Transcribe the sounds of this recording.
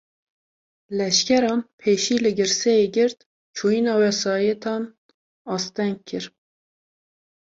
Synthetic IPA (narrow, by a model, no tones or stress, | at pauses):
lɛʃkʲɛɾɑːnpʰeːʃiːlɨɡɨɾsɛjeɡɪɾt̪ | t͡ʃʰuːinɑːwɛsɑːjɛt̪ʰɑːn | ɑːst̪ɛŋɡ̚kʰːɨɾ